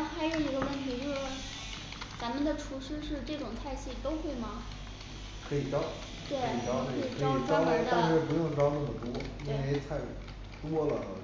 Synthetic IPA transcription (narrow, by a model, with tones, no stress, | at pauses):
xa˧˥ɪjo˥˩i˧˥ɡə˧wə˥˩nt̪ʰi˧˥t͡ɕo˥˩ɔ˥˩ | t͡sa˧˥mə˨nd̪ə˨ʈ͡ʂʰu˧˥ʂɻ̩˥ʂɻ̩˥˧ʈ͡ʂɤ˥˩ʈ͡ʂʊ˨˩ŋt̪ʰa˥˧ɪɕi˥˩t̪o˥ʊxwe˥˩ɪmɐ˩ | kʰɤ˧˥i˨˩ʈ͡ʂɑ˥ʊ | t̪we˥˩ɪ˧i˨˩ʈ͡ʂɑ˥ʊ˥˩˥i˨˩kʰɤ˧˥i˨˩˥ʈ͡ʂɑ˥na˥˩t̪ɑ˥˧ŋʂɛ˥˩p̬u˧˥jʊ˥˩ŋʈ͡ʂɑ˥ʊna˥˩mə˨˩t̪wɔ˥i˥˧e˥˧t̪ʰa˥˩ɪ | t̪wɔ˥lə̰˨˧˩